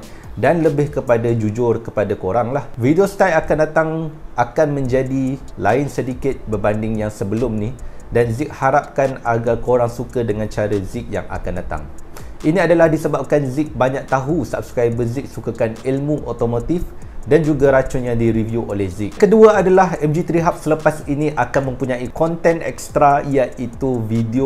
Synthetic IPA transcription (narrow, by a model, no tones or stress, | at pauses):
danləbɪhkəpadad͡ʒud͡ʒʊrkəpadakoɾaŋlahvidiost̪ajakandat̪aŋʔakanmə̃ɲd͡ʒadi | laɪnsədikɪt̪̚bəbandɪŋjaŋsəbəlʊmnidanzɪk̚haɾap̚kanaɡarkoɾaŋsukədəŋãnt͡ʃaɾəzɪk̚ja̰ŋa̰kandat̪a̰ŋ | ʔinĩadalahdisəbap̚kanzɪk̚baɲãk̚t̪aɦusaap̚su̥kajbəzɪk̚sukakanilmũʔot̪omot̪if | dand͡ʒuɡaɾat͡ʃʊnjaŋdiɾivjuʔolɛhzɪk̚kəduaadalaɦɛmd͡ʒit̪ɾiɦap̚sələpasinĩʔakanmə̃mpuɲãikɔnt̪ɛnɛ̰k̚st̪ɾaijaʔit̪uvidio